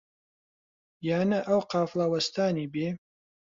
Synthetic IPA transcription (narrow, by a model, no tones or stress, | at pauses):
jaːnɐʔɐwqaːflawɐst̪aːnibeː